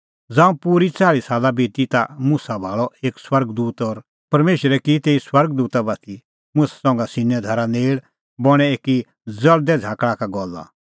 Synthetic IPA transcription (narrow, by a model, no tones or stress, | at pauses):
d͡zãːũpuɾit͡saːɭisaːlabeːt̪it̪amʊ̃sabʱaːɭɔʔeːkswɐɾɡd̪uːt̪ɔɾ | pɐɾmeːʃəɾɛkit̪eːiswɐɾɡ̚d̪uːt̪abat̪i | mʊ̃sḁsɔ̃ːŋɡasɪnːɛd̪ʱɐɾaneːɭ | bɔɽ̃ɛeːki | d͡zɐɭd̪ɛd͡zʱaːkɽakaɡɔlːa̰